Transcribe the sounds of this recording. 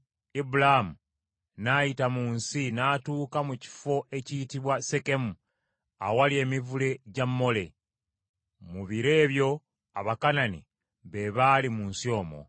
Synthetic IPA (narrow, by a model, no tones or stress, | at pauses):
ibulaamu | najitamuːnsinatuːkamuci̥fo̞ʔe̞ciːtiβwase̞ke̞mu | a̰walie̞ːmivule̞ɟamːo̞le̞ | muβiɾe̞ːβjo̞ | aβakananḭ | βe̞βalimuːnsio̞ːmo̰